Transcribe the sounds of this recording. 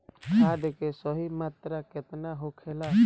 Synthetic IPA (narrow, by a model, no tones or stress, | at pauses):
ad̪ekesəɦimat̪ɾaket̪naɦokʰela